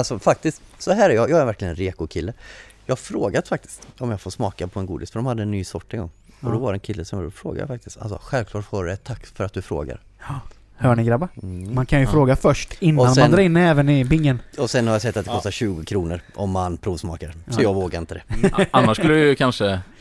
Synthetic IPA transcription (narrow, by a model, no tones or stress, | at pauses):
alsɔfak̚t̪ɪst̪sɔɦæːɾæɾjɑːjɑːɡæɾvæɾklɪɡənɛnɾeːkʊkʰɪlːəjɑːɡfɾoːɡad̪fak̚t̪ɪ̥st̪ɔmjɑːɡfoːɾʂmɑːkapʰɔɛnɡuːd̪ɪsfœɖɔmhad̪ːəɛnːyːsɔʈːɛnɡɔ̰ŋː | ɔd̪ɔvaɾəɛnkʰɪlːəsɔmja̰ɔfɾo̰ːɡa̰ja̰fak̚t̪ɪst̪a̰lsɔɧɛlvklɑːʈfoːɾd̪ɛt̪ʰakːfœɾat̪̚d̪ɵfɾo̰ːɡa̰ɾ | hœːɳɪɡɾabamankʰanjɵfɾoːɡafœʂʈɪnːɔːanmmand̪ɾɑːɪnːɛːvənɪbɪŋːənɔsɛnhaɾjasɛt̪ːat̪d̪ɛkɔst̪aɾɕʉ̟ːɡʊkʰɾuːnəɾʔɔmːanːpʰɾuːvsmɑ̰ːkaɾsɔjɑːɡvoːɡaɾɪnt̪əd̪ɛanːaʂkɵlːəəjkʰanʂə